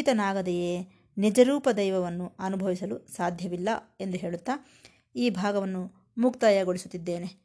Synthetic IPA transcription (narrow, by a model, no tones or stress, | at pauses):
it̪ɐnaːɡɐd̪ɛjeː | nid͡ʒɐɾuːpɐd̪ɐjʋɐʋɐnːuɐnubʱɐʋisɐlusaːd̪ʱjɐʋilːɐe̞nd̪uɦe̞ːɭut̪ːa | iːbʱaːɡɐʋɐnːu | muk̚t̪ɐjɐɡoɭisut̪ːid̪ːe̞ːne̞